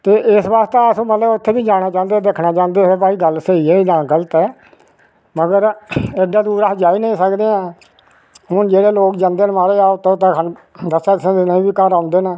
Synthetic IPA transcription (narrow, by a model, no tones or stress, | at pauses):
t̪eːʔɪsbaːst̪eːəsõːmət̪ləbʊt̪ʰːeːbiːd͡ʒaːɽ̃aːt͡ʃãːnd̪ed̪eːkʰnaːt͡ʃãːnd̪eːsepaːiːɡəlseːiːɛːiːd̪ãːkələt̪ɛː | məɡəɾedãːd̪uːɾaɦd͡ʒaːiːnəĩːsəkd̪eːãː | ɦʊnd͡ʒeːɽeːloːkd͡ʒãːnd̪eːnmaːɾeːaːʊt̪ʰːẽt̪ẽːkən | d̪əsaːkɪsẽːd̪enə̃ĩːbiːkəɾãːnd̪eːnəː